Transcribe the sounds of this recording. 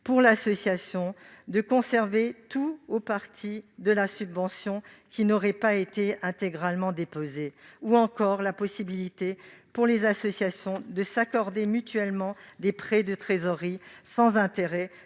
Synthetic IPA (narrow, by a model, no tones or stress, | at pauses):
puʁlasɔsjasjɔ̃d̪əkɔ̃sɛʁvet̪uopaʁt̪ʰid̪əlasybvɑ̃sjɔ̃kʲinɔʁɛpaet̪eɛ̃t̪eɡʁalmɑ̃d̪epozeuɑ̃kɔʁlapɔsibilit̪epuʁlezasɔsjasjɔ̃d̪əsakɔʁd̪emyt̪ɥɛlmɑ̃d̪epχɛd̪ət̪χezɔʁisɑ̃zɛ̃t̪eʁɛ